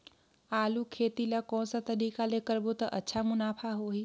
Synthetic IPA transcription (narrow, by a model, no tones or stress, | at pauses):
alukʰet̪ilakɔ̃nsə̃t̪əɾikalekəɾbot̪əʔətːʃʰamunapʰaɦoɦi